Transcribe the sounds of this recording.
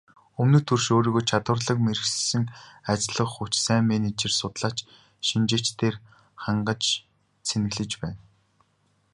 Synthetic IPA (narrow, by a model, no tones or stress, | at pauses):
ɵmnɵ̆t̪ʰɵrʃoːɾiːɣoːjt͡ɕʰat̪wə̆rɮə̆kmeɾɘ̆xs̆sɘ̆ŋat͡ɕɮə̆χʊt͡ɕsæːŋmenet͡ɕĕrsʊt̪ɮaːt͡ɕ | ʃint͡ɕeːt͡ɕt̪eːr | χaɴɢə̆t͡ɕ | t͡sʰenɘ̆ɣɮɘ̆t͡ɕpæːn